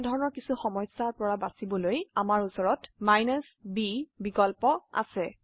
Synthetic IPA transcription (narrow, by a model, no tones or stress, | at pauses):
dʱɔɹɔnɔɹkisuxɔmɔjsaɹpɔɹabasibɔlojamaɹusɔɹɔtmajnɔsbibikɔlpɔa̰sɛ